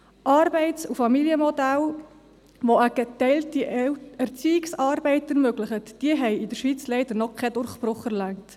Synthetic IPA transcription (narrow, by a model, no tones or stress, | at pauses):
ʔɑːɾbɛɪtt͡sufɑmiliəmɔd̪æl | ʋoəɡɛt̪ɛɪltiɛrt͡siːɪksɑːɾbɛɪtɛɾmøɡlɪχətd̥iəɦɛɪɪdəɾʃʋiːt͡slɛɪdənɔkʰχɛdʊɾχb̥ɾʊχəɾlæŋt